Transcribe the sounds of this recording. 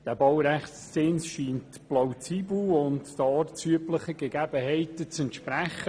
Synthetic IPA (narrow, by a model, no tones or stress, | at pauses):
d̥ɛbɑwɾɛχst͡sɪnsʃiːnt | plawt͡siːbl̩ʊnttɑːɾt͡syəpləχəɡeɡæb̥əhɛɪtət͡sɛntʃpræχə